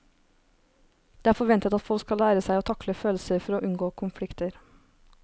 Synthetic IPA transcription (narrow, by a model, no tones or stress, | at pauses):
d̪eːæːɾfɔɾʋɛnt̪ət̪ɑt̪fɔlskɑlæːɾəsæɪɔːt̪ʰɑkləføːlsəɾfɔɾoːʔʉnɡoːkʰʊmflɪkt̪əɾ